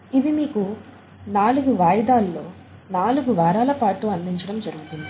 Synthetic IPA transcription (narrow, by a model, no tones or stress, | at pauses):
iʋimiːku | naːluɡuʋaːjɐd̪aːlːo̞ː | naːluɡuʋaːɾaːlɐpaːʈuɐnd̪iɲt͡ʃɐɽɐmd͡ʒɐɾuɡut̪und̪i